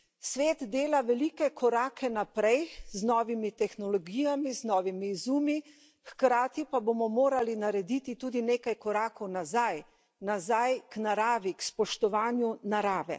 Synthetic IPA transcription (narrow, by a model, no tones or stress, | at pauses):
sʋeːt̪d̪eːlaʋɛlikɛkʰɔɾaːkʰɛnapɾɛjznɔːʋimit̪ɛxnɔlɔɡiːjamiznɔːʋimizuːmi | xkɾaːt̪ipabomɔmoːɾalinaɾɛd̪it̪it̪uːd̪ineːkajkɔɾaːkɔwnazaj | nazajknaɾaːʋikspɔʃt̪ɔʋaːnjunaɾaːʋɛ̰